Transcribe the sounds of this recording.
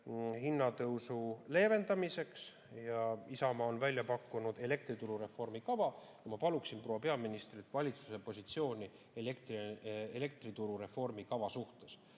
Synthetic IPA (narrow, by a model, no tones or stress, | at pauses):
hinːɑt̪ɤwsule̞ːve̞nd̪̥ɑmise̞ks | jɑisɑmɑːonvælʲjɑpɑkːunud̪̥e̞le̞k̚t̪ɾit̪uɾure̞fo̞rmikɑvɑjɑmɑpɑluksinpro̞ːwɑpe̞ɑminist̪rit̪ːˑvɑlʲit̪su̥se̞po̞sit̪sio̞ːnʲi | elekt̪ele̞k̚t̪rit̪uɾuɾe̞fo̞rmikɑvɑsuht̪e̞s